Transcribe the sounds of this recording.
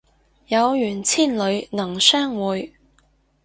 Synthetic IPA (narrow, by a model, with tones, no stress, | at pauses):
jɐ˨˧wjyː˨˩nt͡sʰiː˥˩nlɵ˨˧ɥnɐ˨˩ŋsœː˥ŋwuː˨˧j